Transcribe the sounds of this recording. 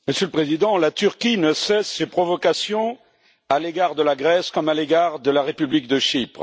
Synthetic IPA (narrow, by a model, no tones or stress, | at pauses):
məsjøləpχezid̪ɑ̃lat̪yʁkʲinəsɛsːepχɔvɔkasjɔ̃ | aleɡaʁd̪əlaɡʁɛskɔmaleɡaʁd̪əlaʁepyblik̚d̪əʃipχ